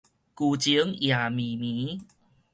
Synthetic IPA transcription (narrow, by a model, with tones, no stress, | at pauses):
ku˧t͡ɕi˧ə˦ŋja˨mi˨mi˨˦